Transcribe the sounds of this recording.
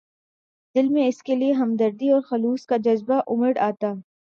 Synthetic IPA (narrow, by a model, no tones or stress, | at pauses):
d̪̥ɪlmẽɪskelieɦɐmd̪əɾd̪iɔːɾxɐluːskad͡ʒɐzbaʔʊməɽaːt̪aː